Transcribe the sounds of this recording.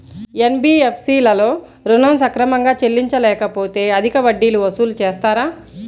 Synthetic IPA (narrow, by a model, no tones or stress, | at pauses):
enbiːepʰsiːlɐlo̞ː | ɾunɐmsɐkɾɐmɐŋɡaːt͡ʃe̞lːiɲt͡ʃɐlɛːkɐpo̞ːt̪e̞ːɐd̪ʱikɐʋɐɖːiːluʋɐsuːlut͡ʃeːst̪aːɾaː